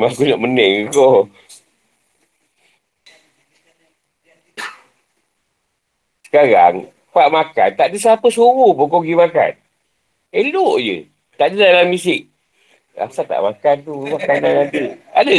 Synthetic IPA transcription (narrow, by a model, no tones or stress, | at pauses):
makunaʔmənɛŋko | sə̥kaɾa̰ŋ | paʔmaka̰nt̪aʔdəs̬apəsuɣupokoɡimaka̰n | eloʔd͡ʒə̰ | t̪aʔdədalamisɪk̚ | a̰sat̪a̰ʔmakant̪umakananant̪ia̰də